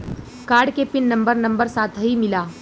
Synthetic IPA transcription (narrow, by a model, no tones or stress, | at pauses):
kaːɾɖkepɪnːɐ̃mbəɾnɐ̃mbəɾsaːt̪ʰɦimɪlaː